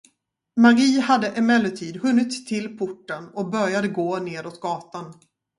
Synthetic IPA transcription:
maɡiːhad̪ːəʔɛmɛlːəʈʰiːd̪hɵnːɪt̪ʰːɪlpʰʊʈːənɔk̚bœɾjad̪əɡoːneːɾɔt̪̚ɡɑːt̪an

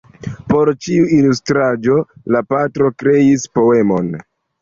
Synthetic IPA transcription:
po̞ɾt͡ʃiuilustɾad͡ʒo̞lapatɾo̞kɾe̞ispo̞e̞mo̞n

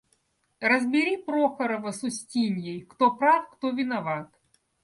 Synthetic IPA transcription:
rəzbʲɪɾʲipɾoxəɾəvəsʊsʲtʲinʲjejkt̪opɾafkt̪ovʲɪnɐvat̪

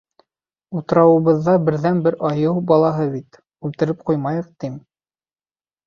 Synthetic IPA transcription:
ut̪ɤ̆ɾɑwɤ̆βɤ̆ðːɑbɘ̆ɾðænbɘɾʔɑjɤwbɑlˠɑɦɤβit̪ | ʉlt̪ɘ̆ɾɘp̚qujmɑjɤ̆q̚t̪im

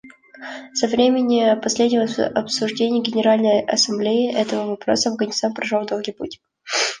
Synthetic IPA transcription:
sɐvɾʲemʲɪnʲɪpɐsʲlʲedʲnʲɪvəɐpsʊʐdʲenʲɪjəɡʲɪnʲɪɾalʲnəjɐ̰sɐmblʲeɪʔɛt̪əvəvɐpɾo̞̰səɐvɡənʲɪst̪anpɾɐʐolˠd̪olˠɡʲijputʲ

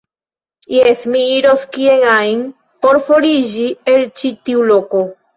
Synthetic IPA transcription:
jesmiiɾoskieŋajn | poɾfoɾid͡ʒielt͡ʃit̪iuloko

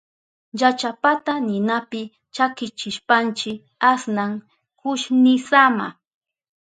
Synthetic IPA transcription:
jat͡ʃapat̪anɪnapɪ | t͡ʃakɪt͡ʃɪʃpant͡ʃɪ | asnaŋ | kʊʃnɪsama̰

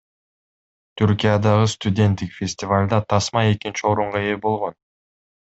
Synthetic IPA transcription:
t̪ʰyɾkʲijad̪ɑʁɯst̪ʊdʲe̞nt̪ːikfʲesʲtʲɪvalʲd̪ɑt̪ʰɑsmɑe̞kint͡ʃio̞ɾuɴʁɑeebo̞lˠʁo̞n

